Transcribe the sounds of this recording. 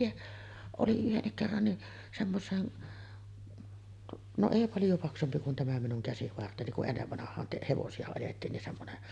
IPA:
jɑ oli yhenːik kerːɑn niʔ semːosˑeːn no eˑi pɑljo pɑksumpi kun tæmæ minuŋ kæsiʋɑrteni kuʔ ʔenːeʋːɑnɑhˑɑːn te heʋosiɑ ɑjetːiːn nin semːonen

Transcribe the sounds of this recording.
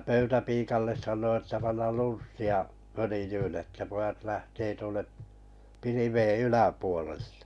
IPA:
pøytæpiːkɑlːes sɑnˑoi etːæ pɑnːɑl lunsːiɑ følĭjyːn etːæ pojɑt læhteː tuonːe piliʋei ylæpuolel̥ːe̥

